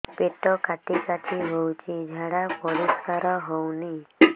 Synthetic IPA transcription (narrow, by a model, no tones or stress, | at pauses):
peʈɔkat̪ikaʈ̪ʰiɦɔwt͡ʃʰid͡ʒʱaɽapɔɽiskaɾɔɦɔwni